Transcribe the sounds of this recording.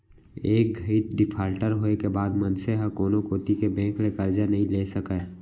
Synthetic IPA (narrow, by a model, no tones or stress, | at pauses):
eːk̚ɡʱəit̪̚ɖɪpʰaːlʈəɾɦoːekebaːd̪mənseɦãkoːnokoːt̪ikebɛ̃ːŋklekəɾd͡ʒanɐɦĩleːsəkɛ